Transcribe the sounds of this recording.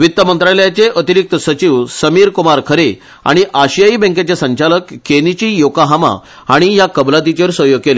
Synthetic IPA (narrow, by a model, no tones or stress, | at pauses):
ʋit̪ːəmənt̪ɾaljat͡seʔət̪iɾik̚t̪əsət͡ɕiʋsəmiːɾkumaɾkʰəɾe | a̰ɽ̃iʔaɕijaibɛ̃ŋket͡ɕesəɲt͡ɕaləkːenit͡ɕiːjokaɦama̰ | aɽ̃ijakəblat̪̬it͡ɕeɾsəɦjoɡ̚kele